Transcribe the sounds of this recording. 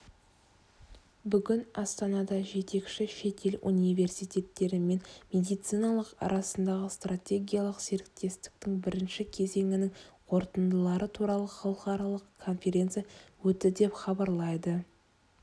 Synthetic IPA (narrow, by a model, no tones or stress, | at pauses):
bʏɡʲɪnɑst̪ɑnɑd̪ɑʒe̞t̪e̞kʃɪʃe̞t̪ʰe̞lṵnijve̞rsijt̪ʲe̞t̪ːe̞ɾɪme̞nmʲe̞d̪ijt̪sɨjnɑlˠəqɑ̰ɾɑsənd̪ɑʁəst̪ratʲe̞ɡʲijalˠəqse̞ɾɪk̚t̪e̞st̪ɪ̥k̚t̪ɪŋbɪɾɪnʃɪkʲʰe̞ze̞ŋɪnɪŋqʰo̞ɾt̪ənd̪əlˠɑɾət̪ʰuɾɑlˠəχɑlˠəqɑɾɑlˠəqʰːo̞nfʲe̞ɾʲe̞nt̪sɨjawɵt̪ɪd̪e̞pχɑbɑɾlˠɑjd̪ə